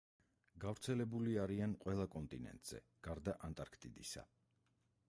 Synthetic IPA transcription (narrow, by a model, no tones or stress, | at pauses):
ɡavɾt̪sʰɛlɛbuliaɾianqʼwɛlˠakʼɔnt̪ʼinɛ̰nt̪ʼz̥ɛ̰ | ɡ̥aɾd̪aʔant̪ʼaɾkʰt̪ʼid̪isa̰